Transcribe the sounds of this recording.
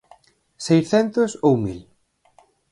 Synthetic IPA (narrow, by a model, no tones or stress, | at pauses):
sejsθɛnt̪osowmil